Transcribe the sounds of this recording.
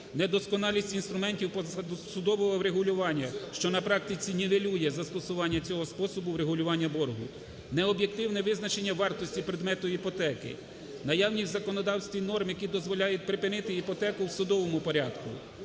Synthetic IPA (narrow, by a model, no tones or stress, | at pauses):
nɛd̪ɔskɔnɑlʲisʲtʲinst̪ɾʊmɛnʲtʲiwpɔsʊd̪ɔʋɔɦɔwɾeɦʊlʲʊʋɑnʲːɐʃt͡ʃɔnɐpɾɑk̚t̪ɪt͡sʲinʲiʋelʲujɛzɐst̪ɔsʊʋɑnʲːɐt͡sʲɔɦɔspɔsɔbʊwɾeɦʊlʲʊʋɑnʲːɐbɔrɦʊ | nɛɔbʲje̞k̚t̪ɪwnɛʋɪznɐt͡ʃe̞nʲːɐʋɑrt̪ɔsʲtʲipɾed̪mɛt̪ʊipɔt̪ɛkɪ̰ | nɐjɑwnʲiwzɐkɔnɔd̪ɑwsʲt̪ʋʲinɔrmjɐkid̪ɔzʋɔlʲajɛt̚ʲpɾɪpɪnɪt̪ɪipɔt̪ɛkʊwsʊd̪ɔʋɔmʊpɔɾʲad̪̥kʊ̰